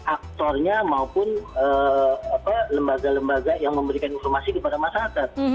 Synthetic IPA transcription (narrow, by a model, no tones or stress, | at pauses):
ʔak̚t̪ɔrɲamaupʊnəapaləmbaɡaləmbaɡajaŋməmbəɾikaninfɔrmasikəpadamasakat̪̚